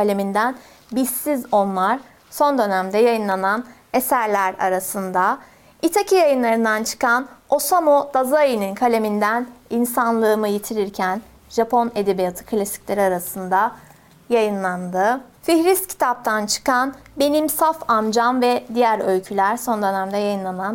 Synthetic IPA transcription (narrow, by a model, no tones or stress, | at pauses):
alʲe̞mind̪æn | bisːizo̞nlˠaɾ̥ | so̞nd̪ø̞næmd̪ɛjajɯnlˠanan | e̞sæɾlʲæɾa̰ɾasɯnd̪a | it̪ʰacʰijajɯnlˠaɾɯnd̪ant͡ʃʰɯ̥kʰano̞samod̪̥azaininkʰalʲe̞mind̪æninsanlˠɯːmɯjit̪ʰiɾiɾcʰæn | ʒ̥apʰo̞ne̞d̪e̞bijat̪ʰɯ̥kʰlʲasi̥clʲeɾiaɾasɯnd̪a | jajɯnlˠand̪ɯ | fiçɾist̪cʰi̥t̪ʰap̚t̪ʰant͡ʃʰɯ̥kanbe̞nimsafamd͡ʒanvɛd̪ijæɾølʲcʰylʲæɾso̞nd̪ø̞næmd̪ɛjajɯnlˠanan